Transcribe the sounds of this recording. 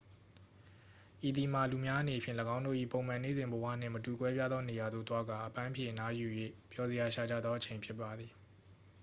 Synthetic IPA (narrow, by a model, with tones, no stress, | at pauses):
ʔi˨d̪i˨m̥a˨lu˨mja˦ʔə˦ne˨pʰjɪ̰̃˦˨ləɡã˦ʊ̃ndo̰˦˨ʔḭ˦˨põ˨ʊ̃mã˨nḛ˦˨zɪ̃˨mbəwä̰˦˨n̥ɪ̰̃˦˨mətu˨kwɛ˦pja˦d̪ðɔ˦ne˨ja˨d̪o̰˦˨t̪wa˦ɡa˨ʔəpã˦ʔpʰjɪ̰̃˨ʔəna˦ju˨jwḛ˦˨pjɔ˨zə˨ja˨ʃa˨d͡ʑa̰˦˨d̪ðɔ˦ʔət͡ɕʰẽ˨ɪ̃mpʰjɪ˦pːa˨d̪ði˨